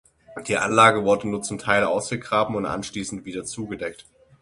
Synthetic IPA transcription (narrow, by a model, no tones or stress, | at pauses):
d̥iːʔa̰nlaːɡəvʊɐdənuːɐt͡sʊmtʰaɪlʔa̰ʊsɡ̥əɡʁaːbm̩ʊntʔa̰nʃliːsn̩tv̥iːdɐt͡suːɡədɛk̚t